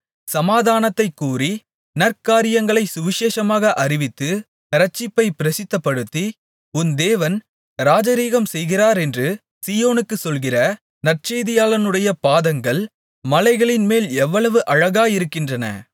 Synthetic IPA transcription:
sɐmaːðaːnɐt̪ːɐɪkːuːri | nɐrkaːɾɪjɐŋɡɐɭɐɪsʊʋɪʃeːʂɐmaːɣɐʔɐɾɪʋɪt̪ːɯ | ɐɾɐt͡ʃːɪpːɐɪpɪɾɐsɪt̪ːɐpːɐɽɯt̪ːi | ʊnd̪eːʋɐn | ɾaːd͡ʒɐɾiːɣɐmsɛjɣɪraːɾɛndrɯ | siːjoːnɯkːɯsɔlɣɪrɐ | nɐr̚t͡ʃeːðɪjaːlɐnɯɽɐjɐpaːðɐŋɡɐɭ | mɐlɐɪɣɐɭɪnmeːlɛʋːɐɭɐʋɯʔɐɻɐɣaːjɪɾɯkːɪndrɐnɐ̰

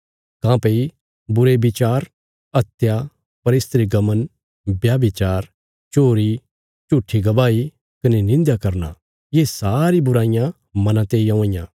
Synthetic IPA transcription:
kãːpei | bʊɾebɪt͡ʃaːɾ | ɐt̪ja | pɐɾɪːst̪ɾiɡɐmən | bjaːbit͡ʃaːɾ | t͡ʃoːɾi | t͡ʃʊʈʰːiɡɐbaːi | kɐnenɪ̃nd̪jakɐɾna̰ | jeːsaːɾibʊɾaːɪjã | mɐ̃nãt̪eːiõɪ̃jã̰ː

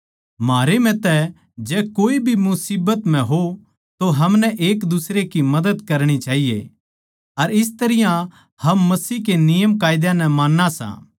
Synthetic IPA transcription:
maːɾemɛ̃t̪ɛ | d͡ʒɛːkoːibʱimʊsiːbət̪m̤ɛ̃ɦo | t̪oɦɐmnɛʔeːkd̪ʊsɾekimɐd̪əd̪kɐɾɽ̃it͡ʃaːɦijḛ | ɐɾɪs̬t̪ɐɾɪjã | hɐmːɐsiːɦkenɪjəmkaːɪd̪jãnɛmaːnːasã̰ː

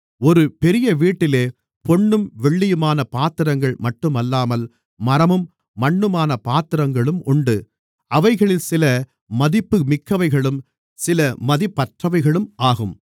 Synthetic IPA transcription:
ɔɾɯpɛɾɪjɐʋiːʈːɪleː | pɔɳːɯmʋɛɭːɪjɯmaːnɐpaːt̪ɪɾɐŋɡɐɭmɐʈːɯmɐlːaːmɐl | mɐɾɐmɯmː | ɐɳːɯmaːnɐpaːt̪ɪɾɐŋɡɐɭɯmʊɳɖɯ | ʔɐʋɐɪɣɐɭɪlsɪlɐ | mɐðɪpːɯmɪkːɐʋɐɪɣɐɭɯm | sɪlɐmɐðɪpːɐʈrɐʋɐɪɣɐɭɯmʔaːɣɯm

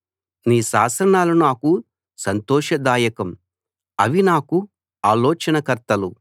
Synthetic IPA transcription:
niːʃa̰ːsɾɐnaːlunaːku | sɐnt̪ɔːʂɐd̪aːjɐkɐm | ɐʋinaːku | aːlɔːt͡ʃɐnɐkɐɾt̪ɐlu

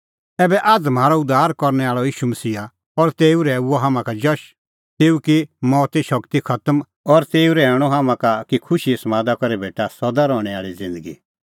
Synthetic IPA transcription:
ɛːbɛʔad͡zm̤aːɾɔʊd̪aːɾkɔɾñɛaːɭɔjiːʃumɐsiːa | ɔɾt̪eːuɾɛuɔɦaːmãkad͡ʒɔʃ | t̪eːukimɔːt̪iʃɐkt̪ikʰɐt̪əm | ɔɾt̪eːuɾɛɛːɽ̃ɔɦaːmãkakikʰʊʃismaːd̪akɔɾebeːʈasɔd̪aɾɔːɽ̃ɛaːɭid͡zɪ̃nd̪əɡḭ

